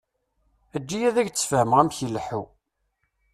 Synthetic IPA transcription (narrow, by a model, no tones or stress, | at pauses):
æd͡ʒːijæðæʝt͡sːfæmʁæmçəlːħu